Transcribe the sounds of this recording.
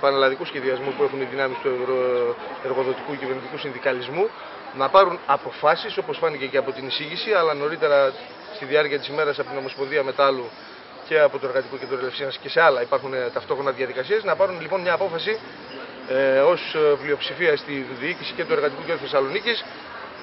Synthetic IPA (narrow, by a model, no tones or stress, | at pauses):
pɐnelɐðikusçe̞ðiɐzmupue̞xuniðinɐmist̪ueɾoeɾɣo̞ðo̞t̪ikucive̞ɾnit̪ikusinðikɐlizmu | nɐpɐɾunɐpo̞fɐsiso̞po̞sfɐniceceɐpo̞t̪inisiʝisiɐlɐno̞ɾit̪e̞ɾɐ | st̪iðiɐɾciɐt̪isime̞ɾɐsɐpot̪ino̞mo̞sponðiɐme̞t̪lu | ce̞ɐpo̞t̪oe̞ɾɣɐt̪ikucet̪uoɾelefsinɐsce̞se̞ɐlɐipɐɾxunet̪ɐft̪o̞xɾonɐðjɐðikɐsiɐznɐpɐɾunlipo̞nmɲɐːpo̞fɐsi | o̞splio̞psifiɐst̪iðiicisi̥ce̞t̪ue̞ɾɣɐt̪ikuceðɾuθesɐlo̞nicis